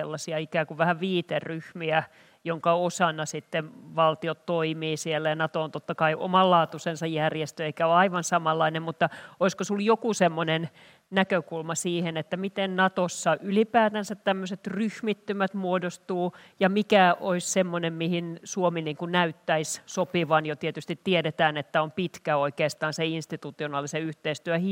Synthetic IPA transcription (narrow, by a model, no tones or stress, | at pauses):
elːɑsiɑikæːkuʋʋæhæʋʋiːt̪erryhmiæ | joŋkɑosɑnɑsit̪ːenʋɑlt̪iot̪toimiːsielːæjɑnɑt̪ooːnt̪ot̪ːɑkɑiʔo̰mɑllɑːt̪usensɑjjærjest̪øeikæoɑiʋɑnsɑmɑlːɑinemmut̪ːɑoiskosuljokusemːonen | nækøkulmɑsiːhenet̪ːæmit̪ennɑt̪osːɑʔylipæːt̪ænsæt̪tæmːøset̪ryhmit̪ːymæt̪muodost̪uː | jɑmikæʔoissemːonemmihinsuominːiːŋkunnæyt̪ːæissopiʋɑnjot̪iet̪yst̪it̪ːiedet̪æːnet̪ːæompit̪kæoikeːst̪ɑːnseinst̪it̪ut̪ionɑːliseyht̪eist̪yøhi